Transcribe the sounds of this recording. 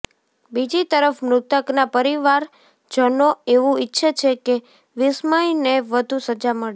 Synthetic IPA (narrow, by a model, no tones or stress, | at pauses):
bid͡ʒit̪əɾəfmnʊt̪əknapəɾiʋaɾ | d͡ʒənoeʋũitːʃʰət͡ʃʰeke | ʋɪsməjneʋəd̪ʱusəd͡ʒaməɭe